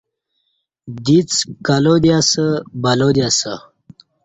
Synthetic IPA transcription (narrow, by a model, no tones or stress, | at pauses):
d̪it͡skalod̪jasəbɐlod̪jasə